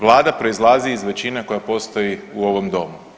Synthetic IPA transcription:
ʋlˠaːd̪apɾo̞izlˠaːziːzʋe̞t͡ɕineko̞japo̞st̪o̞jiuo̞ʋo̞md̪o̞mu

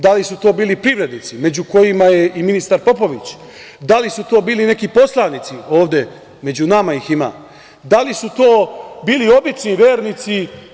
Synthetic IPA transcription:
d̪alisut̪o̞ːbiːlipɾiʋɾe̞d̪nit̪sime̞d͡ʑuko̞jimaje̞ʔiminist̪aɾpo̞po̞ʋit͡ɕ | d̪alisut̪o̞ːbiːline̞kipo̞slˠanit̪sio̞ːʋd̪e̞ | me̞d͡ʑunamaixima̰ː | d̪alisut̪oːbiːlio̞bit͡ʃniʋjeːɾnit̪si

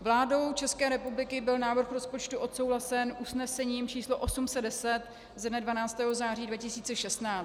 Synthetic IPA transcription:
vlaːdo̞wt͡ʃɛskɛːɾɛpublɪkɪbɪlnaːvr̩xɾospo̞t͡ʃt̪uʔo̞t̪so̞wɦlasɛnʔusnɛsɛɲiːmt͡ʃiːsloʔosumsɛddɛsɛt̪ | zɛdnɛdvanaːt͡st̪ɛːɦo̞zaːr̝iːdvacɪsiːt͡sɛʃɛst̪naː

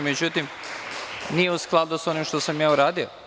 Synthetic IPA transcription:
med͡ʑut̪im | nijeusklˠad̪uso̞nimʃt̪o̞samjaːuɾaːd̪io̰

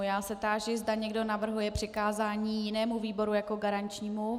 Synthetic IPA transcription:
jaːsɛt̪aːʒɪzdaɲɛɡdo̞navr̩ɦujɛpr̥ɪkaːzaːɲiːjɪnɛːmuviːbo̞ɾujakoɡaɾant͡ʃɲiːmu

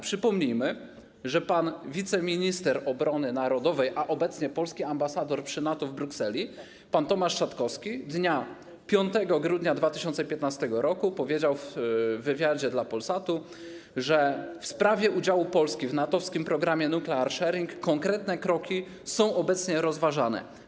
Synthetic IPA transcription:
pʂɘpɔmɲijmɘ | ʐɛpanvʲit̪sɛmʲiɲist̪ɛɾɔbɾɔnɘnaɾɔd̪ɔvɛjʔaʔɔbɛt̪sɲɛpɔlskʲiambasad̪ɔɾpʂɘnat̪ɔvbɾuksɛlʲi | pant̪ɔmaʂʂat̪kɔfskʲid̪ɲa | pʲjɔnt̪ɛɡɔɡɾud̪ɲad̪vat̪ɘɕɔnt̪sɛpʲjɛt̪nast̪ɛɡɔɾɔkupɔvʲjed͡ʑawvːɘvʲjad͡ʑɛd̪lapɔlsat̪u | ʐɛfspɾavʲjɛʔud͡ʑawupɔlskʲivnat̪ɔfskʲimpɾɔɡɾamʲjɛnuklɛaɾʂɛɾʲiŋkːɔŋkɾɛt̪nɛkɾɔkʲi | sɔ̃w̃ʔɔbɛt̪sɲɛɾɔzvaʐanɛ̰

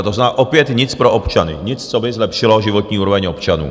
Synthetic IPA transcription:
t̪oznaʔopjɛt̪ɲɪt͡spɾoʔopt͡ʃanɪ̰ɲɪt͡st͡sobɪzlɛpʃɪlo̞ʒɪvot̪ɲiːuːɾovɛɲopt͡ʃanṵː

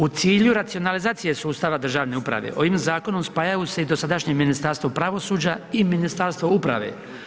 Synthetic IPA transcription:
ut̪siːʎuɾat̪sio̞nalizaːt̪sije̞suːst̪aːʋad̪r̩ʒaːʋne̞upɾa̰ʋe̞̰ʔo̞ʋimzaːko̞nomspaːjajuse̞id̪o̞sad̪aʃɲe̞minist̪aɾst̪ʋo̞pɾaʋo̞suːd͡ʑaiminist̪aɾst̪ʋoupɾa̰ʋe̞̰

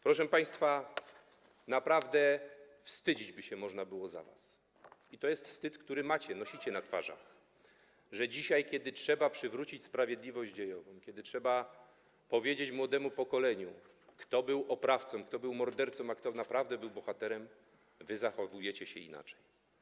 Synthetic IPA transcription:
pɾɔʂɛpaj̃st̪fa | napɾavd̪ɛfst̪ɘd͡ʑid͡ʑbɘɕɛmɔʐnabɘwɔza̰va̰s | it̪ɔjɛst̪fst̪ɘt̪kt̪uɾɘmat͡ɕɛnɔɕit͡ɕɛnat̪fa̰ʐa̰x | ʐɛd͡ʑiɕajkʲɛd̪ɘtʂɛbapʂɘvɾut͡ɕit͡ɕspɾavʲjed̪lʲivɔʑd͡ʑd͡ʑejɔvɔ̃w̃kʲɛd̪ɘtʂɛba | pɔvʲjed͡ʑet͡ɕmwɔd̪ɛmupɔkɔlɛɲu | kt̪ɔbɘwʔɔpɾaft̪sɔ̃mkt̪ɔbɘwmɔɾd̪ɛɾt̪sɔ̃makt̪ɔnapɾavd̪ɛbɘwbɔxat̪ɛɾɛm | vɘzaxɔvujɛt͡ɕɛɕɛ̰ḭna̰t͡ʂɛj

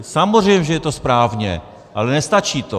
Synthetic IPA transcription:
samor̝ɛjmɛʒɛjɛt̪ospɾaːvɲɛ̰ | ʔalɛnɛst̪at͡ʃiːt̪o

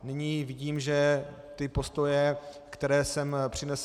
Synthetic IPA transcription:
nɪɲiːvɪɟiːmʒɛ | t̪ɪpo̞st̪o̞jɛ | kt̪ɛɾɛːsɛmpr̝̥ɪnɛs

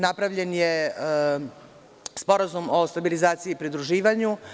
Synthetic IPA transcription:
napɾaʋʎe̞nje | spo̞ɾazumo̞st̪abilizaːt̪siiːpɾid̪ɾuʒiːʋaɲu

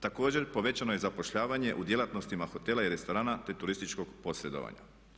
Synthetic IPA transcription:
t̪ako̞ːd͡ʑe̞ɾpo̞ʋe̞t͡ɕano̞je̞zapo̞ʃʎaːʋaɲe̞ʔud̪je̞lat̪no̞st̪imaxo̞t̪elaiɾe̞st̪o̞ɾaːnat̪e̞t̪uɾist̪it͡ʃko̞ɡpo̞sɾe̞d̪o̞̰ʋa̰ɲa̰

